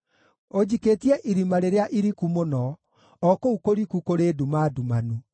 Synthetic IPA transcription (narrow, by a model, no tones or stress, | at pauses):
od͡ʑiketiɛʔiɾimaɾeɾeaʔiɾikumonɔ | ɔkoukoɾikukoɾedumadumanu